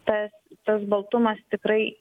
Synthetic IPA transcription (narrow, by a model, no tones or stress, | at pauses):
t̪ɐst̪ɐsbɐlˠt̪ʊmɐst̪ʲɪkɾɐɪ